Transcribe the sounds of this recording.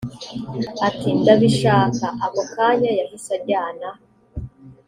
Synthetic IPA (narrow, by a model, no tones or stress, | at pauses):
atʰindaβiʃaːkaʔaβokajajavisabɟaːna